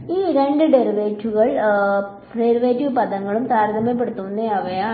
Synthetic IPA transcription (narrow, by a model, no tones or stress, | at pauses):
iːɾe̞ɳɖɨɖeɾiʋeːtːuɣɐɭ | ɖeɾiʋeːtːupɐd̪ɐŋːɐɭumt̪aːɾd̪ʱɐmep̬ːeɽut̪ːuʋnːeɐʋɐja